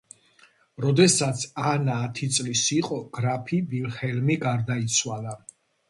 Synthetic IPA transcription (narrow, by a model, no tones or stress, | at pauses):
ɾɔd̪ɛsat̪sʰanaːt̪ʰit̪sʼlisiqʼɔɡ̥ɾapʰibilχɛlmiɡaɾd̪ait̪sʰwala